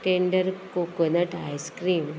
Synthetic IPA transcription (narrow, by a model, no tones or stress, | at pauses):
ʈeɳɖəɾkokənəʈajskɾiːm